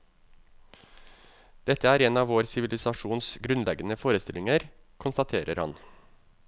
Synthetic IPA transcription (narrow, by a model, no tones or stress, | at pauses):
d̪̥ɛt̪əæːɾeːnɑːʋoːɾsɪʋɪlɪsɑʂuːnsɡɾʉnlɛɡənəfoːɾəst̪ɪlɪŋəɾ | kʰʊnst̪ɑt̪ʰeːɾʔəɾhɑ̰n